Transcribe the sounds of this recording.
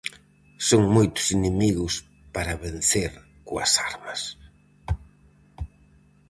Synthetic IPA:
soŋmojt̪ʊ̥sinemiɣʊs | paɾɐβenθeɾ | koɐ̰saɾmɐs

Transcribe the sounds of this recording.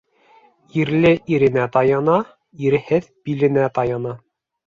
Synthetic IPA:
iɾlɘʔiɾɘ̆næt̪ɑjɑnɑ | iɾɘ̆hɘðbilɘ̆næt̪ɑjɑnɑ

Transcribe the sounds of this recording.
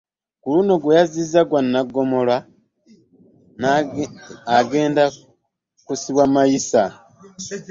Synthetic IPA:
kuluno̞ɡwejaziːzaɡwanːaɡːo̞mo̞lwa | aɡe̞ːnda | kusiβwamajisa

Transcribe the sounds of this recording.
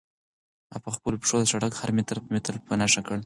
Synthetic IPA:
a̰paxpəlopʂod̪əʃaɽakhaɾmet̪ɾmet̪əlpənaʂakəɽ

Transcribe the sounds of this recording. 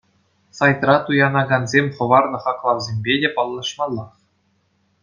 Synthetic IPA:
sɑjt̪rɑt̪ujɑnɑɡɑnzʲemʲχɤ̆ʋɑrnɤ̆χɑklˠɑwzʲemʲbʲedʲepɑlˠːɑʂmɑlˠːɑχ

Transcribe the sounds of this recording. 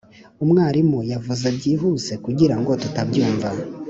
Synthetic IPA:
umŋaːɾimujavuzebɟiːɦuːze̞kuɟiɾaŋɡo̞tutabɟuːɱva

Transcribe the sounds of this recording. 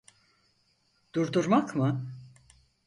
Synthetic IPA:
d̪̥uɾd̪uɾmakmɯ

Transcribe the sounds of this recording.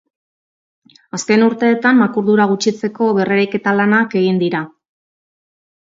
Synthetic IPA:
aske̞nuɾt̪e̞ːt̪amːakuɾðuɾaɣ̞ut͡ʃit͡se̞ko̞βe̞reɾejke̞t̪alanake̞ɣ̞ind̪iɾa

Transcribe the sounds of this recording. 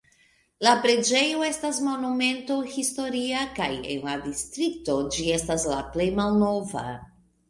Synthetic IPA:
lapɾe̞d͡ʒe̞joe̞stas̬mo̞nume̞nto̞histo̞ɾiakaje̞̰nladistɾik̚to̞d͡ʒie̞staslaple̞jmalno̞va̰

